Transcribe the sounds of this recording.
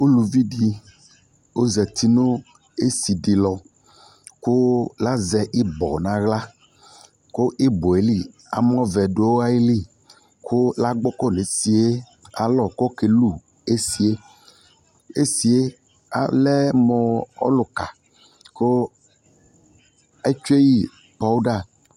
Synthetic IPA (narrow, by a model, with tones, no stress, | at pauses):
o˦lu˨vi˦ɖi˨ | wo˦zɛ˨t̪i˦no˦ | e˦si˨ɖi˨lɔ˨ | ko˦la˦zɛ˨ʔi˦bɔ̰˨nã˨ɣla˦ | ko˦ʔi˦bo˨e˨li˦ | a̰˨m˦ɔ̃˦vɛ˨ɖo˨˦o˦a˦i˦li˦˨ | kʰo˦la˦ɡ͡bɔ˦kɔ˦˨ne˨si˨e˦ | a̰˨lɔ˨kɔ˦ke˨lu˦˨ | e˦si˨e˦ | e˦si˨e˦ | a̰˨lɛ˦mɔ̃˨ɔ̰˦lo˨ka˨ | ko˦ | e˦t͡ʃu˦e˦ji˨ | pa˦wu˦ɖa˦˨